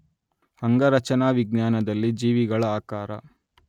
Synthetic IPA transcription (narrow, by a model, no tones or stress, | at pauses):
hɐŋɡɐɾɐt͡ʃɐnaːʋiɡnjaːnɐd̪ɐlːid͡ʒiːʋiɡɐɭɐaːkaːɾɐ̰